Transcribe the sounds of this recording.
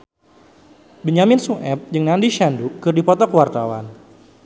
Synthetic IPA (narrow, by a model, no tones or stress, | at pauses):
biɲamɪnsuʔɛp̚d͡ʒɨŋnandiʃandukɨrdipɔt̪ɔkəwart̪awa̰n